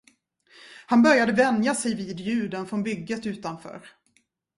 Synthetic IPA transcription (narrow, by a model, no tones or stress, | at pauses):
hanbœɾjad̪əvɛnd̪jasɛjviːd̪jʉ̟ːd̪ənfɾɔnbʏɡːət̪ʉ̟ːt̪anfœ̰ːɾ